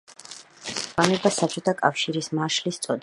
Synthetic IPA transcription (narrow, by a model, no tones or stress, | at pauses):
anɛbasat͡ʃʼɔt̪ʰakʼafʃiɾismaʃlist̪sʼɔd̪